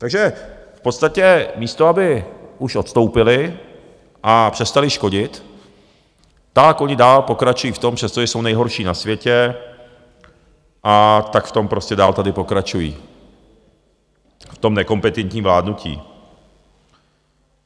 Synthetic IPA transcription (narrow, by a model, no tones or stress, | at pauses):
t̪aɡʒɛfpo̞t̪st̪acɛmiːst̪oabɪuʃʔo̞t̪st̪o̞wpɪlɪ | ʔapr̥ɛst̪alɪʃko̞ɟɪt̪ | akʔo̞ɲɪdaːlpo̞kɾat͡ʃujiːft̪o̞mpr̥ɛst̪oʒɛso̞wnɛjɦo̞ɾʃiːnasvjɛcɛ | ʔat̪akft̪o̞mpɾo̞scɛda̰ːlt̪adɪpo̞kɾat͡ʃujḭː | ft̪o̞mnɛko̞mpɛt̪ɛnt̪ɲiːmvlaːdnucḭː